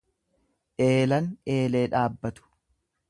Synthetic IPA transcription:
ʔe̞ːlɐne̞ːle̞ːᶑaːbːɐt̪ʊ̥

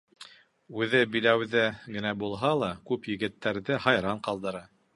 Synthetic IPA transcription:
ʉðɘbilæwðɘɡɘ̆næbulˠɦɑlˠɑkʉpjɘ̆ɡɘ̆t̪ːæɾðɘhɑjɾɑɴqɑlˠd̪ɤ̆ɾɑ

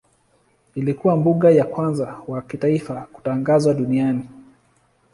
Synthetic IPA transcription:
ilikuwambuɠajakwanzawakitaifaku̥taŋɡazwaɗuniani

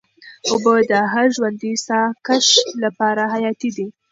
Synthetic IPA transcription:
obəd̪əɦaɾʒwand̪isɑkaʃlapɑɾaɦajɑt̪id̪i

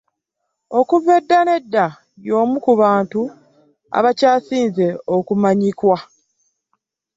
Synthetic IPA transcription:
o̞kuvːe̞dːane̞dːa | jjo̞ːmukuβaːntu | a̰βacaːsiːnze̞okumaɲikwa

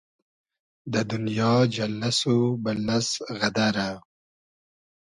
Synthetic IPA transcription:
d̪əd̪ʊnjɑːd͡ʒalasobalːasɣad̪aɾa

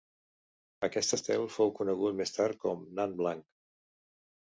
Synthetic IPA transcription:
əkɛst̪əst̪ɛlˠfowkunəɣ̞ut̪mest̪aɾkɔmnanblaŋk

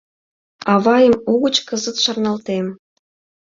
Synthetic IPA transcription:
ɑβɑjəmuɣət͡ɕkəzə̆t̪ʃɑrnɑlt̪em

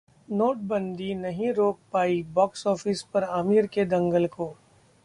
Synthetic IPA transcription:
noːʈ̚bɐ̃nd̪inɐɦĩɾoːk̚paːibɔːksɔːfɪspɐɾaːmiːɾked̪ɐ̃ŋɡəlkoː

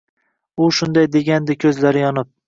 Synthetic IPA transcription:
ʊʃʊnd̪ajd̪e̞ɡʲand̪ɪkʲʰɵzlaɾɪjɒnɪp̚

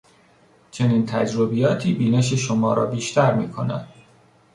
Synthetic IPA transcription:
t͡ʃʰe̞nint̪ʰæd͡ʒɾobijɒːt̪ʰiːbiːneʃ̬eʃomɒːɾɒ̰ːbiːʃt̪ʰæɾmiːkʰo̞næ̰nd̪̥

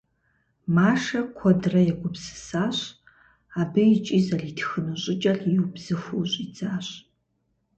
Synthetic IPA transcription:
maːʂɐkʷʰɔdrɐjɛɡʷʊpsɨ̥saːɕ | aːbɨjit͡ʃʼizɐritʰxɨnɨɕʼɪt͡ʃʼɐɬjiwbz̥ɨxʷuɕʼit͡saːɕ

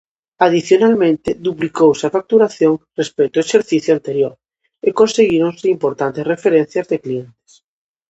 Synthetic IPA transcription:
að̞iθjonalmẽnt̪ed̪uplikowsafak̚t̪uɾaθjoŋrespejt̪oeʃeɾθiθjoant̪eɾjoɾ | ekõnseɣiɾonseimpoɾt̪ant̪esrefeɾẽn̟θjazðeklient̪e̥s

